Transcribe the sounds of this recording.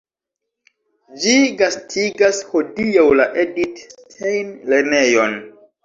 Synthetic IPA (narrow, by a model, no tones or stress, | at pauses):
d͡ʒiɡastʰiɡasho̞diawlaʔedittʰejnle̞ɾnejo̞n